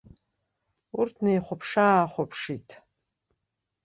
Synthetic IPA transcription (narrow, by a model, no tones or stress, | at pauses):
urtʰnejχʷʊpʰʂaχʷʊpʰʂitʰʼ